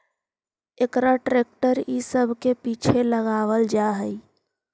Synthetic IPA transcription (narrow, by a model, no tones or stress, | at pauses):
ekɾaʈɾek̚ʈəɾisəbʱkepit͡ʃʰeləɣaʋəld͡ʒaɦə